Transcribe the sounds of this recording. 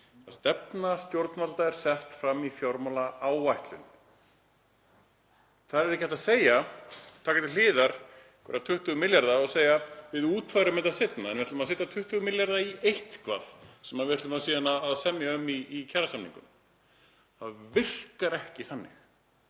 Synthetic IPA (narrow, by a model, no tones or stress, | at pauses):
aðst̪ɛp̚nast̪jowɾt̪nalt̪aɛɾ̥sɛht̪fɾamːifjoɾmɔlaaːwvajht̪lʏn | θaðɾɛɾðɪkcɛht̪aðseːjat̪ʰaːkɪt̪ɪlɪːðaɾ̥ | kʰvɛ̰ɾat̪ʰʏht̪ʏɣʏmɪljaɾðaɔɣseːjavɪðuːt̪fajɾʏmːɛt̪aðsɪt̪naɛnvɪhɛt̪ːmaðs̬ɛːt̪at̪ʰʏht̪ʏɣmɪljaɾðaiejht̪kʰva̰ð̥sɛmaðvɪhɾt̪ʏmaðsiːðanaðaðsɛmnjɪœmiːcʰaɾasamnḭŋkʏm | θaðvɪr̥kaɾɛhcɪθanːɪx